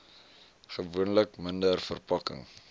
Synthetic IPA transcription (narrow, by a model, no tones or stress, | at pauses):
χəvuənləkməndərfərpɐkə̰ŋ